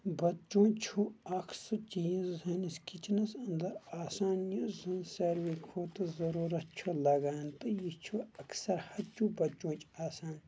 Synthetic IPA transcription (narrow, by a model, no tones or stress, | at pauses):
bɐt͡ʃõːt͡ʃʰuɐkʰsɨt͡ʃiːzzɐniskit͡ʃʰnɐsɐnd̪ɐɾaːsaːnjɐzɐnsɐɾʋikʰoːt̪ɨzɐɾuːɾɐt̪̚t͡ʃʰulɐɡaːnt̪ɨjit͡ʃʰuɐksɐɾhɐt͡ʃʰubɐt͡ʃõːt͡ʃaːsaːn